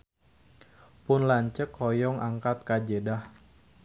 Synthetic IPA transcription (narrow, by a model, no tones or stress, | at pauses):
pʊnlaɲt͡ʃəkʰɔjɔŋʔaŋkat̪̚kad͡ʒedah